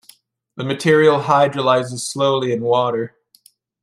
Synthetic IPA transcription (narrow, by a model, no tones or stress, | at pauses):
ðɨmɨtʰɪɹil̩ˠɦaɪdɹəlaɪzɨz̥sloʊlˠiɨ̃nwɔɾə˞